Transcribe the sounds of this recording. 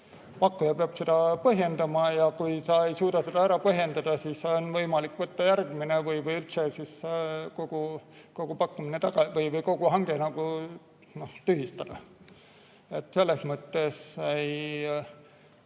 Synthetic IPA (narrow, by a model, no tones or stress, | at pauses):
pɑkːujɑpeɑb̥sed̪̥ɑpɤɦje̞nd̪̥ɑmɑjɑkujsɑe̞jsuːd̪̥ɑsed̪̥ɑæɾɑpɤɦje̞nd̪ɑd̪̥ɑsiːsːeonvɤjmɑlikːˑvɤt̪ːɑjærɡ̥minevɯjvɯjylt̪sesisko̞ɡ̥uko̞ɡ̥upɑkːuminet̪ɑɡ̥ɑvɤjvɤjko̞ɡ̥uɦɑŋɡ̥enɑɡ̥u | no̞ht̪yɦist̪ɑd̪̥ɑ̰ | e̞t̪ːse̞lːesmɤt̪ːe̞sej